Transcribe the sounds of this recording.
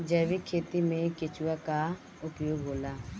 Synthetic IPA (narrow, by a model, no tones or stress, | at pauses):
d͡ʒəːʋikʰeːt̪imẽkɪt͡ʃʊwaka | ʊpjoːɡɦoːlaː